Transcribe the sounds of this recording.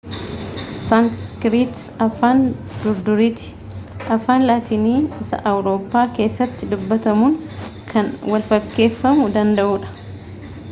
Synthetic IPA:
saŋkskɾiːt̪ | ɐfaːn | d̪ʊɾd̪ʊɾiːt̪ɪ̥ | ʔɐfaːnlaːt̪iːniːɪsɐ̰ʔɐwɾo̞ːpːaːke̞ːsːɐt̪ːɪd̪ʊbːɐt̪ɐmuːŋkʰɐnwɐlfɐkːe̞ːfːɐmʊd̪ɐnd̪ɐʔuːᶑɐ̥

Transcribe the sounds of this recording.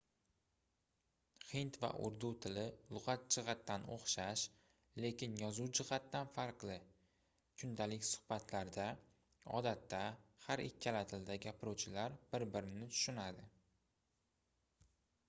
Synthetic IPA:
hɪnt̪va̰ʔʊ̰ɾd̪ut̪ʰɪlɪlˠʊqat̪̚d͡ʒɪʁɑt̪ːano̰χʃaʃ | le̞kʲɪnjɒzuwd͡ʒɪʁat̪ːanfaɾqlˠɪ | kʰʊnd̪alɪkʲsʊ̥hbat̪ʰlaɾd̪a | ɒ̰d̪at̪ʰːahaɾɪkʲʰːalat̪ʰɪld̪aɡʲapʰɪɾuwt͡ʃʰɪlaɾb̥ɪɾbɪɾɪnɪt̪ʰʊ̥ʃʊnad̪ɪ

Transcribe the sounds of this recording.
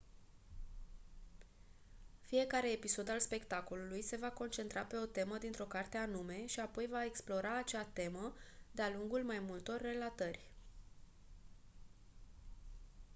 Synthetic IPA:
fije̞kaɾe̞ːpiso̞d̪alspe̞kt̪ako̞lulujse̞vako̞nt͡ʃe̞nt̪ɾape̞o̞t̪e̞məd̪int̪ɾo̞kart̪e̞anume̞ʃiapo̞jvae̞ksplo̞ɾaːt͡ʃat̪e̞məd̪ealuŋɡulmajmult̪o̞rʲːe̞lat̪ərʲ

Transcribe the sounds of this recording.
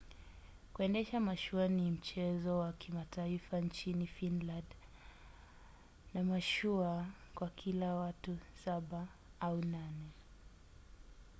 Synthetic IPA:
kuɛndɛʃamaʃuanim̩t͡ʃɛzɔwakʰimatʰaifant͡ʃinifinland | namaʃua | kwakʰilawatusaɓa | aunanɛ

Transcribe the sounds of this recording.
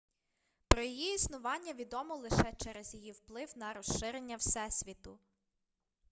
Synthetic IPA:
pɾɔjijiisnʊʋɑnʲːɐʋʲid̪ɔmɔlˠɪʃɛt͡ʃɛɾezjɔjiwplˠɪwnɐɾɔʃɪɾenʲːɐwsɛsʲʋʲit̪ʊ

